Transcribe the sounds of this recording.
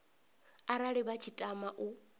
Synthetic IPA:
aɾaɺiβat͡ʃʰitʼamaʔu

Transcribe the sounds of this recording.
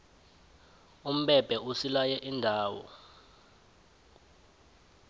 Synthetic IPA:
um̩ɓɛb̥ʱɛusilajɛʔindʱaːwɔ̰

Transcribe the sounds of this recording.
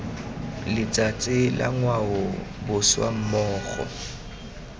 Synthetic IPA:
lɪt͡sʼat͡sʼɪla̰ŋwaʊbʊswa̰m̩mɔːχɔ̰

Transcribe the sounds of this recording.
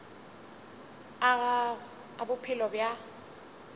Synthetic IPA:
aɣa | abʊpʰɪlɔbja

